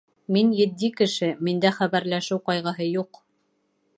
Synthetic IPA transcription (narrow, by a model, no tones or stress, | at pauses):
minjɘ̆d̪ːikɘ̆ʃɘmind̪æχæβæɾlæʃɘwqɑjʁɤ̆ɦɤjuq